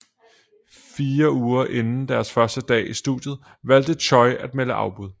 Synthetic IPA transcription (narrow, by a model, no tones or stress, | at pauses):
fiːɐuːɐʔe̝nn̩d̥æɐsfɶɐsd̥əd̥ɛ̰ːisd̥ṵðˠjð̞̩ˠ | ʋæl̰d̥ət͡ɕʰɒ̽ɪæd̥̚meləʔɑ̈ʊb̥uð̞ˠ